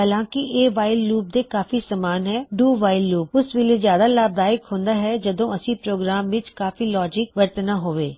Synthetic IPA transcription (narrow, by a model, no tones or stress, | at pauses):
ɦəlãːkɪʔeːʋaːɪlːuːb̚d̪eːkaːfiːsəmaːnɦɛːɖuːʋaːɪlːuːp̚ʊsʋɪleːzjaːd̪aːlaːb̚d̪aːɪkɦõːnd̪aːɦɛːd͡ʒəd̪õːəsĩːpɾoːɡɾaːmʋɪt͡ʃkaːfiːlɔːd͡ʒɪk̚ʋəɾt̪naːɦoːʋeː